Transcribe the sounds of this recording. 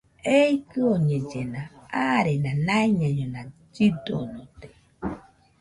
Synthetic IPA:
ejkɨoɲed͡ʒenaaɾenãnaiɲaɲonã | d͡ʒid̪onot̪e̥

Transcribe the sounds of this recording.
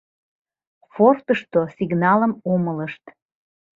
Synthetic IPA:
fort̪əʃt̪osiɡnɑləmomələʃt̪

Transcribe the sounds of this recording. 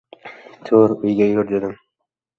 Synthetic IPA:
t̪ʰoɾʊjɡʲajʊɾd̪ed̪ɪm

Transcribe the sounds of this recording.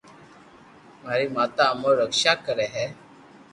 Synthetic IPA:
maɾiːmat̪aːməɾəkʂakːəɾɛɦɛ

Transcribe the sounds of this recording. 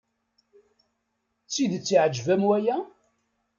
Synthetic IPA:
t͡sːiðt͡sːiʕd͡ʒvæmwæjæ

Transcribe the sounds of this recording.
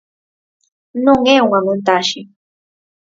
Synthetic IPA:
noŋeŋamʊnt̪aʃi

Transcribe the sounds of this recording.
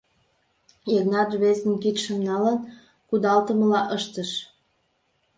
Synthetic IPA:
jeknɑt̪βezə̆nkit̪ʃə̆mnɑlən | kud̪ɑlt̪əməlɑʔəʃt̪əʃ

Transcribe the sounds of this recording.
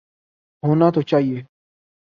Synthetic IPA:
ɦoːnat̪ot͡ʃaːɦieː

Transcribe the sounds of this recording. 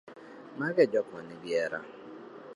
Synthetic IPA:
maɡɛd͡ʒɔkɔnɪbjɛɾa̰

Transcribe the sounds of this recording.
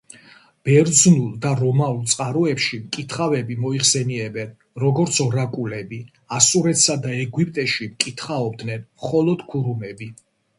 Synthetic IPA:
b̥ɛɾd̪znulˠd̪aɾɔmaulˠt̪sʼqʼaɾɔɛpʃimkʼit̪ʰχavɛbimɔiχsɛniɛbɛn | ɾɔɡɔɾt̪sʰɔɾakʼulɛbi | asuɾɛt̪sad̪aɛɡwipʼt̪ʼɛʃimkʼit̪ʰχaɔbd̪nɛnmχɔlˠɔd̪̥kʰuɾumɛbi

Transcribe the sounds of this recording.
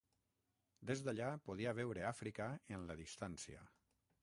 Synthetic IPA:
d̪ezd̪aʎapoð̞iaβɛwɾeafɾikaenlaðist̪ansia̰

